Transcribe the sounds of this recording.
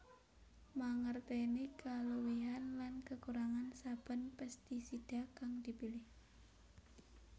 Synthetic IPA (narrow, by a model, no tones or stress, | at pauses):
maŋərt̪enekaluwiɦanlankəkuɾaŋansab̥ə̤npɛst̪isid̥akaŋdipilɪh